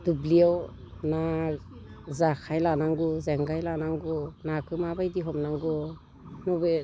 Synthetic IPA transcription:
d̥ubliaw | na | zakʰajlanaŋɡɔzeŋɡajlanaŋɡɔnakʰɯmabajdiɦɔmnaŋɡɔ | nɔbe

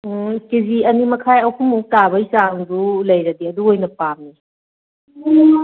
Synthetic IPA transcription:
kiziɐnimɐkʰajɐwkʰumutaβɐisaŋdulɐjɾɐdiɐduojnɐpamni

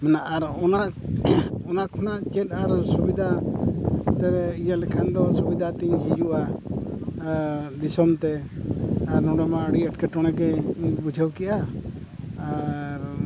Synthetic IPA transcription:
mɛnaʔaɾɔnaʔ | ɔnakʰɔnaʔt͡ʃɛt̪̚aɾsubid̪ʱa | t̪ɛɾɛijalɛkʰɛnd̪ɔsubid̪ʱat̪iɲɦid͡ʒuʔa | d̪isɔmt̪ɛ | aɾnɔɽɛmaəɽiəʈkɛʈɔɽ̃ɛkɛbud͡ʒʱəwkɛʔaː | ɾ

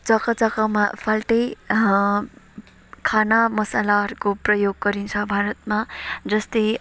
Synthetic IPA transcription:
t͡sʌkʌt͡sʌkamapʰalʈʌj | kʰanamʌsalarkoprʌjoɡːʌɾint͡sʰʌbʱaɾʌt̪mad͡zʌst̪ʌj

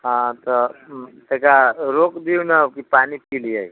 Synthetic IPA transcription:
ɦãt̪ət̪ekaɾokd̪iunakipanipilijaj

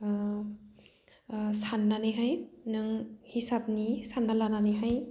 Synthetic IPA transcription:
sanːanɯjɦajnɯŋhisap̚nisanːalananɯjɦaj

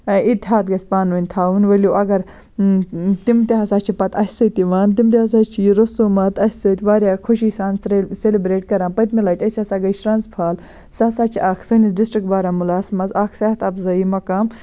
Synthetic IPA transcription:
it̪ʲɦaːt̪̚ɡɐsʲpaːnʋɐnʲt̪ʰaːunʋɐlʲjoːʔɐɡɐɾ | t̪imt̪iɐsaːt͡ʃʰipɐt̪ɐsʲsɐt̪iʋaːnt̪̬imt̪̬ʲeas̬aːt͡ʃʰiɾosuːmɐt̪ɐsʲsɐt̪ʋaːɾʲjaːkʰuʃisaːnsɾeselibɾeːʈ̚kɐɾãːnpɐt̪milaːʈɐsʲaːsaːɡɐsʈɾaːnspʰaːl | saːsaːt͡ʃʰiʔaːkʰsɐnis̬ɖisʈɾik̚ʈbaːɾaːmulaːsmɐzaːkʰsɐːɐt̪ɐpzɐimɐkaːm

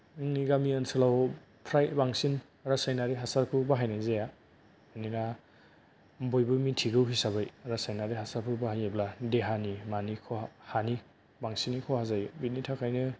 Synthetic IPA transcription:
ɯŋniɡamiɯnsɯlaw | pʰɾajbaŋsin | ɾasajnaɾiɦasaɾpʰubaɦajnazaja | ɯnina | mbojbɯmitʰiɡɯwɦisabajɾasajnaɾiɦasaɾpʰubaɦajabladeɦanimanikʰɔhani | baŋsinikʰɔhazajbit̚nitʰakʰajnɯ

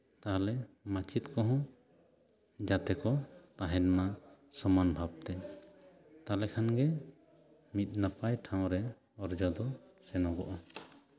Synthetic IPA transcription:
t̪aɦalɛmat͡ʃʰit̪kɔɦɔ̃ | d͡ʒat̪ɛkɔt̪aɦɛnma | sɔmanbʱab̚t̪ɛ | t̪alɛkʰanɡɛ | mit̪̚ˀnapajʈʰãw̃ɾɛ | ɔɾd͡ʒɔd̪ɔsɛnɔɡɔʔɔ

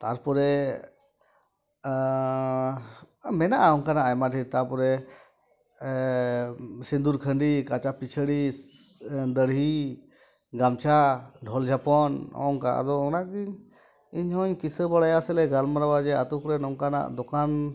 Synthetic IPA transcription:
t̪aɾpɔɾɛ | mɛnaʔaɔŋkanaʔajmaʈit̪aɾpɔɾɛ | sind̪uɾkʰənɖikat͡ʃapit͡ʃʰəɽi | d̪əɽɦi | ɡamt͡ʃʰaɖʱɔld͡ʒʱapɔnɔ̰ɔŋkaʔa̰d̪ɔɔnaɡiɲ | iɲhɔɲkisəbaɽajasɛlɛɡalmaɾabad͡ʒɛat̪ukɾɛnɔŋkana̰ʔd̪ɔkan

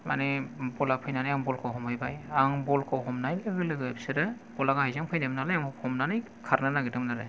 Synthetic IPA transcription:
ma̰nɛbɔlapʰɯjnanajaŋbɔlkʰɔwɦɔmɯjbajaŋbɔlkʰɔwɦɔmnajbɯɡɯlɯɡɯabiseɾɛ | bɔlaɡahajzaŋpʰɯjdɛmnalajaŋhɔmnanɯj | kʰaɾnɯnaɡɯdɔŋnaɾɛ

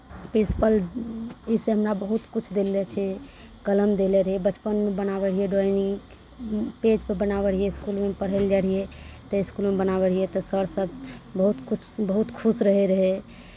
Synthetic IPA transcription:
pɾinsi̥pəl | iseɦəmɾabəɦut̪kut͡ʃʰd̪elːɛt͡ʃʰɛ | ɡələmd̪eleɾəɦɛbət͡ʃpənmebənabeɽ̤ijɛɖoini | ped͡ʒpəɾbənabeɽ̤ijeiskulmepəɽɦəld͡ʒaɽ̤ijet̪əiskulmebənabeɽ̤ijɛt̪ɔsəɽsəbʱbəɦut̪kut͡ʃʰbəɦut̪kʰusɾəɦɛɾəɦɛ

